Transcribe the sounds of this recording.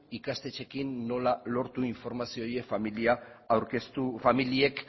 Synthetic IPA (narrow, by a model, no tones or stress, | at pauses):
ikast̪e̞t͡ʃe̞kinːo̞lalo̞ɾt̪uiɱfo̞ɾmasioje̞familiaawɾkest̪ufamilie̞k